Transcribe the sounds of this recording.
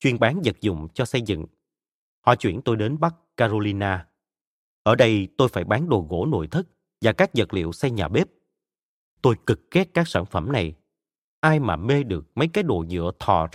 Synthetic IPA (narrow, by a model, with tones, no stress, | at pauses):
t͡ɕwi˧ənɓaː˨˦nzə˨˩t̚zʊ̰˧˨ŋ͡mt͡ɕɔ˧sə˧jzɨ̰˧˨ŋ | hɔ̰˧˨t͡ɕwi˧˩ənt̪o˧jɗe˨˦nɓa˦˥k̚ːaː˧zo˧li˧naː˧ | ʔəː˧˩ɗə˧jt̪o˧jfaː˧˩jɓaː˨˦nɗo˨˩ɣo̰˧˥no̰˧˨jt̪ʰɨ˦˥k̚ | vaː˨˩kaː˦˥k̚zə˨˩t̚lḭ˧˨əwsɛ˧jɲaː˨˩ɓe˦˥p̚ | t̪o˧jkɨ˨˩k̚xɛ˦˥t̚kːaː˦˥k̚saː˧˩nfə˧˩mna˨˩j | ʔaː˧jmaː˨˩me˧ɗɨ˨˩ək̚mə˨˦jkaː˨˦jɗo̰˧˨ɲɨ̰˧˥ət̪ʰɔ̰˧˨˩